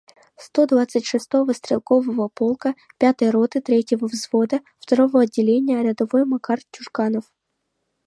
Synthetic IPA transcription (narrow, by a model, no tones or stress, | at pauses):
st̪od̪vat̪sɨtʲʂɨst̪o̞vəst̪ɾʲɪlˠko̞vəvəpolˠkə | pʲat̪ɨjəɾot̪ɨt̪ɾʲetʲjɪvəvzvo̞d̪ə | ft̪ɐɾovoɐdʲːɪlʲenʲɪjəɾʲad̪ɐvojmɐkartʲːʊʂkanəf